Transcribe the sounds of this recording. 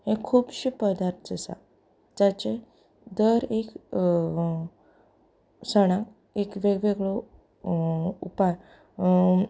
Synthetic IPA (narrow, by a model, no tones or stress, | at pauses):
hẽkʰuːbɕipəd̪aɾt̪ʰd͡zəsa̰ | d͡ʑat͡ɕẽ | d̪əɾek | səɽ̃ã | ekʋeɡʋeɡɭo | upaj